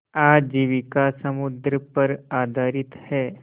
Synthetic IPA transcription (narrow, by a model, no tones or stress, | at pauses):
ad͡ʒiːʋikasəmʊd̪ɾəpəɾaːd̪ʱaːɾɪt̪hɛː